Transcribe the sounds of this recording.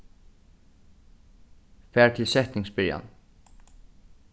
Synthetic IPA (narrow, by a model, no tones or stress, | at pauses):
fæːt̪ʰɪlsɛht̪nɪŋsbɪɹja̰n